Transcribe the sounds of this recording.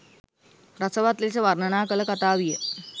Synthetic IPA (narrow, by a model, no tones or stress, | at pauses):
ɾat͡səʋat̪lelt͡seʋaɾnəɳakələkat̪aʋijə